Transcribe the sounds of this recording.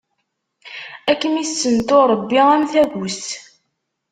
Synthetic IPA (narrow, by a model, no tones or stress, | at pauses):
ækːəmisːənt̪oɾˤəbːiæmθæɡus